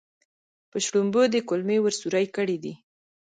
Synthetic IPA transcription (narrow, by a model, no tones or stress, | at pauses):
pəʃɽumbod̪əkʊlmewəɾsuɾajkəɽid̪i